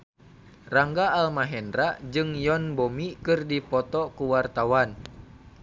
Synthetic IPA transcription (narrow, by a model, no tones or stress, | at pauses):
raŋɡaːlmaɦɛndɾad͡ʒɨŋjɔnbɔmikɨrdipɔt̪ɔkuwart̪awan